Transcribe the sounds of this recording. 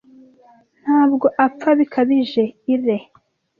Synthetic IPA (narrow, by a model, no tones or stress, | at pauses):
n̥haːbɡo̞ʔapp͡faβikʰaβiʒe̞iɾe̞